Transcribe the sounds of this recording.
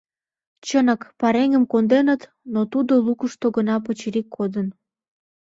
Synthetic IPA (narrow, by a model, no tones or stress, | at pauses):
t͡ɕənəkpɑɾeŋəmkond̪enət̪ | not̪ud̪olukəʃt̪oɡənɑp̬ət͡ɕiɾikʰːod̪ən